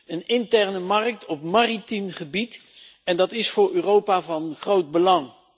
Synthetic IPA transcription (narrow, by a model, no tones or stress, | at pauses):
ənɪntɛɹnəmɑrk̚tʰɔpmaːritimχəbitɛndɑtɪsfʊːɹøːrowpaːvɑnχrowd̚bəlɑŋ